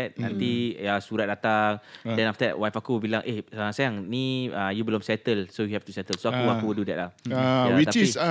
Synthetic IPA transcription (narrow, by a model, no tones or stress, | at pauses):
ɛt̚nãnt̪iasuɾat̪̚dat̪aŋdɛ̃naft̪əwajfakuwəbilaŋʔeasajaŋniajubəlɔmsɛt̪əlsojuhɛft̪usɛt̪əlsoakuakududɛt̚lahawit̪aiis